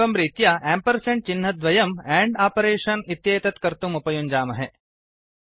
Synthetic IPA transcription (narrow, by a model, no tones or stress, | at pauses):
ɐmɾiːt̪jaʔæːmpɐɾseɳʈ̚t͡ʃinɦɐd̪ʋɐjɐmɛːɳɖaːpɐɾeːʂɐnit̪jɐjɐt̪ɐt̪kɐɾt̪umupɐjund͡ʒaːmɐɦe